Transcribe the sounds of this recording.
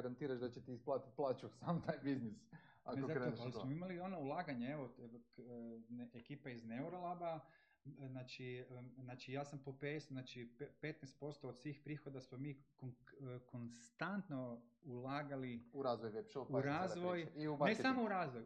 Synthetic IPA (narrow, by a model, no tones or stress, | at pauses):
ɾant̪iːɾaʒd̪at͡ɕet̪iisplˠaːt̪it̪̚plˠaːt͡ʃusaːmot̪ajbiznis | akeat̪oalissmoimalio̞noulaːɡaɲae̞ʋo | ekipaizneuɾolˠaba | znaːt͡ʃiznaːt͡ʃijaːsampopesznat͡ʃippet̪nɛst̪̚po̞st̪oːd̪sʋiːxpɾiːxo̞d̪asmomiːkokonst̪ant̪no̞ulˠaːɡaliuɾaːzʋojʋepʃouɾaːzʋojiumnesamouɾaːzʋoj